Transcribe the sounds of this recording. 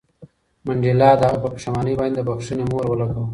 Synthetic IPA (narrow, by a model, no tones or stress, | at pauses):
maɳɖelɑːd̪aɣapəpə̥ʃamɑːnəjbɑjnd̪əbaxʂunemoɾwəlaɡaw